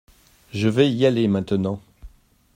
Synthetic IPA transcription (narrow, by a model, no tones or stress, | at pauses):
ʒəvɛialemɛ̃t̪ənɑ̃